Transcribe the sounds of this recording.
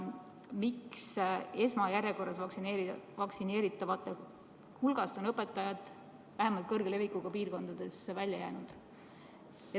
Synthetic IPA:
mikse̞smɑjæɾjeko̞rːɑsksineɾivɑksine̞ːɾit̪ːˑɑvɑt̪ːˑe | hulɡ̥ɑst̪o̞nɤpːˑe̞t̪ːˑɑjɑd̪̥ | væɦemɑlt̪̚kɤrɡ̥ele̞vikːˑuɡ̥ɑpiːrko̞nd̪̥ɑd̪̥e̞svælʲjɑjæ̰ːnud̪̥ | e

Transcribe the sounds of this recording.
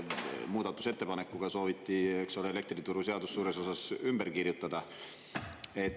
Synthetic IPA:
muːd̪̥ɑt̪ːˑuset̪ːe̞pɑne̞kːˑuɡ̥ɑso̞ːvit̪ːiekso̞leele̞k̚t̪rit̪uɾuse̞ɑd̪̥usːuːɾe̞so̞sɑsymbe̞ɾkirjut̪ːˑɑd̪̥ɑ | e̞t̪

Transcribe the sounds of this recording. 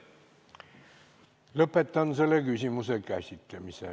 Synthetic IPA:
ləpːˑet̪ːɑnselːekysʲimusekæsʲit̪ːemisḛ

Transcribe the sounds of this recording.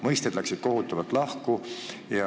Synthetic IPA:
mɤjst̪ed̪læksid̪̥̚ko̞ɦut̪ːˑɑvɑlt̪ːˑlɑhkujɑ

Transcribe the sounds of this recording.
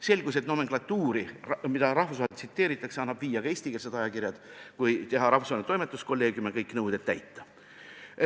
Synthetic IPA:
se̞lʲɡ̥us̬e̞t̪no̞me̞ŋklɑt̪ːˑuːɾimid̪ɑɾɑhfusɑhet̪sit̪ːe̞ːɾit̪ːˑɑkseɑnːɑb̥viːjɑkɑe̞ːsʲt̪ikels̬ed̪ɑjɑkiɾjɑd̪̥kujt̪e̞ɦɑɾɑhfu̥svɑinet̪o̞jmet̪ːˑusko̞lːe̞ːɡjumekɤjkːnɤwd̪e̞t̪t̪ːæjt̪ːˑɑ̥

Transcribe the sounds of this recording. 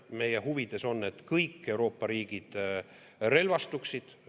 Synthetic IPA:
me̞jeɦuvid̪̥e̞so̞nːe̞t̪ːkɤjkːe̞wɾo̞ːpːɑɾiːɡ̥id̪̥ | re̞lvɑst̪uksid̪̥

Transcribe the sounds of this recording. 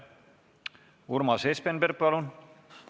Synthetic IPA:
uɾmɑsespenbeɾpɑlun

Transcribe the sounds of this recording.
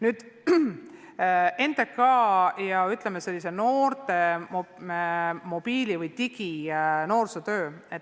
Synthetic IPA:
nyːd̪̥ | e̞nd̪̥ekkːɑːjɑyt̪ˑlemeselʲːise̞no̞ːrt̪e̞m | mo̞b̥iːlʲivɯjt̪iɡ̥ino̞ːrset̪øːet̪ː

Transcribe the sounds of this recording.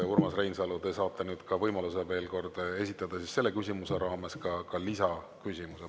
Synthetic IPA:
urmɑsrejnsɑlud̪esɑːt̪ːˑɑnyːd̪̥kɑvɤjmɑlus̬e̞ve̞ːlko̞rd̪̥e̞sit̪ːˑɑd̪̥ɑsisse̞lːe̞kysʲimuse̞ɾɑːmeskɑkɑlisɑ | kysʲimuse

